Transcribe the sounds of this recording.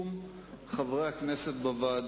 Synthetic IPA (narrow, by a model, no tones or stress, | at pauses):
m | χavʁeakneset̪bavaːd̪